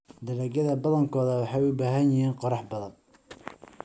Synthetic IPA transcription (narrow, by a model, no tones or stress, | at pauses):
d̪ɐɾɛːɡɐðɐbɐðɐŋkʰɔːðɐwɑħɑjʊbaːɦɐnjɪhiːnqɔɾɑħbɐðɐn